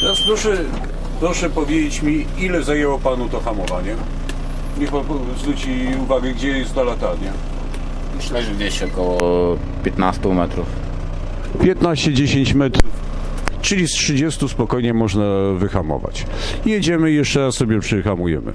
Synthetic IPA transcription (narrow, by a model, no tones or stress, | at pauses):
t̪ɛɾaspɾɔʂɛ | pɾɔʂɛpɔvʲjed͡ʑet͡ɕmʲi | ilɛzajɛwɔpanut̪ɔxamɔvaɲɛ | ɲɛpɔpɔ | zɾut͡ɕi | uvaɡɛɡd͡ʑɛjɛst̪nalat̪aɾɲɛ | mʂlɛʐd͡ʑeɕɔkɔwɔ | pʲjɛt̪nast̪umɛt̪ɾuf | pʲjɛt̪naɕt͡ɕɛd͡ʑeɕeɲt͡ɕmɛt̪ɾf | t͡ʂɘlʲistʂɘd͡ʑɛst̪uspɔkɔjɲɛmɔʐnavɘxamɔ̰va̰t͡ɕ | jɛd͡ʑɛmɘijɛʂt͡ʂɛɾassɔbʲjɛpʂɛxamujɛ̰mɘ̰